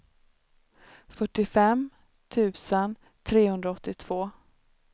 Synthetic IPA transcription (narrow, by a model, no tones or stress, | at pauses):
fœʈːɪfɛm | t̪ʰʉ̟ːsən | t̪ʰɾeːhɵnd̪ɾaɔt̪ːɪt̪ʰv̥oː